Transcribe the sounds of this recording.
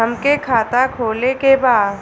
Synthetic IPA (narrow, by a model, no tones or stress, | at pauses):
ɐmkekʰaːt̪akʰoːlekebaːd̪